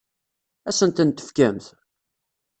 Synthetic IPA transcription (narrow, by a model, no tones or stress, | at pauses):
æsənt̪ənt̪ə̥fkæmθ